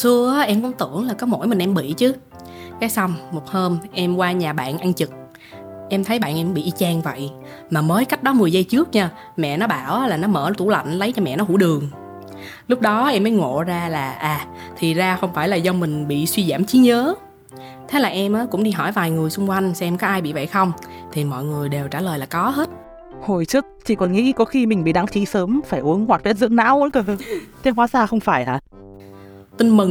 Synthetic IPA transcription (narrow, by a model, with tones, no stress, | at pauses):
sɨ˧əʔaː˨˦ʔɛ˧mkʊ̰˧˥ŋ͡mt̪ɨ˧˩˨əŋlaː˨˩kɔ˨˦mo̰˧˩jmï˨˩ŋ̟ʔɛ˧mɓḭ˧˨t͡ɕɨ˨˦ | kaː˨˦jsa˧wŋ͡mːo˨˩t̚həː˧mʔɛ˧mkwaː˧ɲaː˨˩ɓa̰ː˧˨nʔa˧nt͡ɕɨ˨˩k̚ | ʔɛ˧mt̪ʰə˨˦jɓa̰ː˧˨nʔɛ˧mɓḭ˧˨ʔi˧t͡ɕaː˧ŋvə̰˧˨j | maː˨˩məː˨˦jka˦˥k̟̚ɗɔ˨˦mɨ˨˩əjzə˧jt͡ɕɨ˦˥ək̚ɲaː˧ | mɛ̰˧˨nɔ˨˦ɓaː˧˩wʔːlaː˨˩nɔ˨˦məː˧˩t̪ʰu˧˩la̰˧˨jŋ̟lə˨˦jt͡ɕɔ˧mɛ̰˧˨nɔ˨˦ɦṵ˧˩ɗɨ˨˩əŋ | lʊ˦˥k͡p̚ɗɔ˨˦ʔɛ˧mːəː˨˦jŋo̰˧˨zaː˧laː˨˩ʔaː˨˩ | t̪ʰi˨˩zaː˧xə˧wŋ͡mfaː˧˩jlaː˨˩zə˧wmï˨˩ŋ̟ɓḭ˧˨swi˧zaː˧˩mt͡ɕi˨˦ɲəː˨˦ | t̪ʰe˨˦laː˨˩ʔɛ˧mʔəː˨˦kʊ̰˧˥ŋ͡mɗi˧ɦɔ˧˩jvaː˨˩jŋɨ˨˩əjsʊ˧ŋ͡mkwa˧jŋ̟sɛ˧mkɔ˨˦ʔaː˧jɓḭ˧˨və̰˧˨jxə˧wŋ͡mt̪ʰi˨˩mɔ̰˧˨jŋɨ˨˩əjɗe˨˩wt͡ɕaː˧˩ləː˨˩jlaː˨˩kɔ˨˦ɦe˦˥t̚ | ho˨˩jt͡ɕɨ˦˥ək̚t͡ɕḭ˧˨kɔ˨˩nŋḭ˧˥kɔ˨˦xi˧mï˨˩ŋ̟ɓḭ˧˨ɗa˨˦ŋt͡ɕḭ˧˥səː˨˦mfaː˧˩jʔu˨˦əŋŋwaː˨˩t̚e˦˥t̚zɨ̰˧˥əŋna̰ː˧˥wkə˧˩˧t͡ɕe˧nkwaː˨˦saː˧xə˧wŋ͡mfaː˧˩jʔa̰ː˨˩ | t̪ï˧ŋ̟mɨ˨˩ŋ